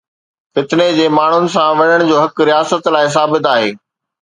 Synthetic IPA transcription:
fɪt̪ɪned͡ʑeːmaːɳ̤ʊnɪ̆sãʋɐɲəɽ̃d͡ʑoːɦɐkɾijaːsət̪laːɪs̬aːbɪt̪aːɦeː

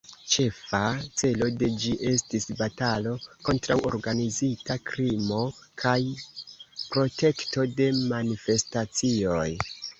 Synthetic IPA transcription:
t͡ʃe̞fat͡se̞lo̞de̞d͡ʒiʔe̞stisbatalo̞ko̞ntɾawo̞̰ɾɡanizitakɾimo̞kʰaj | pɾo̞te̞kto̞de̞manife̞stat͡sio̞j

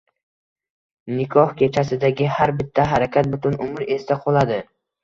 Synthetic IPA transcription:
nɪkʰɒhkʲʰe̞t͡ʃʰasɪd̪aɡʲɪhaɾbɪt̪ʰːaɦaɾakʲat̪̚bʊt̪ʊnʊmɪɾe̞st̪aqʰolˠad̪ɪ

